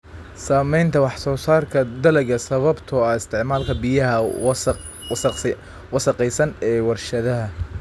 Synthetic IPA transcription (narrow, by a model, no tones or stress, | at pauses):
saːmɛjnt̪ʰɐwɑħsɔːsaːrkʰɐd̪ɐlɛɣɐsɐβɐbt̪ʰɔɐɪst̪ʰɪʕmaːlkʰɐbɪjɐɦɐ | wɑsɑqɛjsɐnɛːwɐrʃɐðɐɦɐ